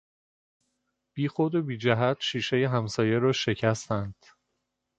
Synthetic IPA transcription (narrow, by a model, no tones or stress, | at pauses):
b̥iːxod̪o̞biːd͡ʒæɦæt̪ʃiːʃe̞jeɦæmsɒːje̞ɾɒːʃe̞cʰæst̪ænd̪̥